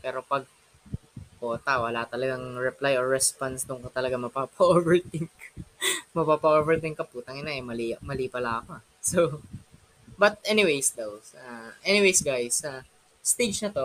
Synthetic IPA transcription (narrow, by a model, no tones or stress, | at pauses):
pɛːɾo̞pɐɡ̚ | ko̞ːt̪ɐwɐlat̪ɐlɐɡaŋɹɛplajoɹɹɛspansd̪ʊŋkot̪ɐlɐɡamɐpapɐʔovɛɹt̪ɪŋk | mɐpaːpɐʔoːvɛɹt̪ɪŋkɐpuːt̪ɐŋɪnaʔɛjmɐlimɐliːpɐlako | so | bɐt̪̚ʔɛnɪwejsd̪owsaʔɛnɪwejsɡajsɐ | st̪ejd͡ʒnɐt̪o̞